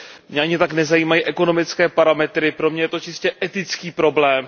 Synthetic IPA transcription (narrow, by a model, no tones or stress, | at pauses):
mɲɛʔaɲɪt̪aknɛzajiːmajiʔɛko̞no̞mɪt͡skɛːpaɾamɛt̪ɾɪpɾo̞mɲɛjɛt̪ot͡ʃɪscɛʔɛt̪ɪt͡skiːpɾo̞blɛːm